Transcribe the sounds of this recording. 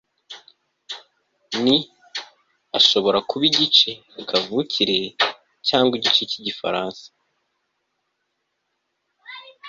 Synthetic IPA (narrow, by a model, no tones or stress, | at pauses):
ni | aʃo̞βo̞ɾakuβiɟit͡ʃe̞ | kʰavuːcʰiɾe̞ | caːŋɡwiɟit͡ʃeciɟifa̰ɾaːnsḁ